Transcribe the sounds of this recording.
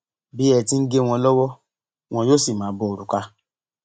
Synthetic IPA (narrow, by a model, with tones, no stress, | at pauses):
bi˨˦ɛ˧ti˦˧n̩˦ɡe˦w̃ɔ̃˧lɔ˦wɔ˦ | w̃ɔ̃˧joː˦si˦˨mãː˨˦bɔ˧o˨ɾu˨ka˧˦